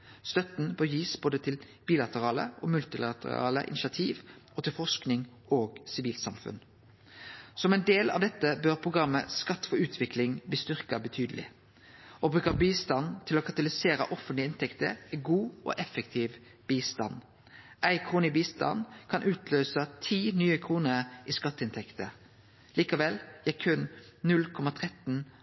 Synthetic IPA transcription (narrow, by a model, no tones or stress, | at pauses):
st̪œt̪n̩pɔjiːsb̥oːd̪ət̪ʰɪl | b̥iːlɑt̪əʁɑːlə̰ʔoːmʉlt̪ɪlɑt̪ə̰ʁɑ̰ːlə̰ʔɪ̰nɪʃɑt̪ʰiːʋɔt̪ʰɪlfɔsknɪŋ | oːɡsɪʋiːlsɑmfʉ̰n | sɔmɛɪnd̪eːlɑ̰ːʋd̪ɛt̪ːəbœʁpʰʁʊɡʁɑmːəskɑt̪ːfɔʉːt̪ʰʋɪklɪŋbiːst̪ʏʁkɑbət̪ʰyːd̪əlɪ̰ | oːbʁʉːkəbiːst̪ɑnt̪ʰɪloːkʰɑt̪ɑlɪseːɾə̰ʔɔfənt̪ləɪnt̪ʰɛkt̪ə̰æɪɡuːo̰ʔɛfəkt̪ʰiːʋ | b̥iːst̪ɑ̰n | ʔæɪkʰɾuːnɪbiːst̪ɑ̰nkʰɑnʔʉːt̪ʰløːsɑt̪ʰiːnyːəkʰʁuːnəʁʔiːskɑt̪ːɪnt̪ʰɛkt̪ə | liːkɑʋɛljækʰʉnnʉlkʰɔmɑt̪ʰʁɛt̪n̩